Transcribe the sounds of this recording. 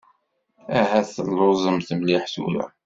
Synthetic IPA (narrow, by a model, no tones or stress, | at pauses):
æɦæθəlːozˤəmθəmliħsṵlæ̰